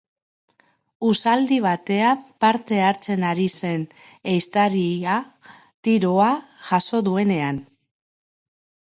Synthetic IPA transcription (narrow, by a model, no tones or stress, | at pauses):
usald̪iβ̞at̪e̞ampaɾt̪e̞aɾt͡se̞naɾise̞n | ejst̪aɾia | t̪iɾo̞aʝaso̞ðue̞ne̞an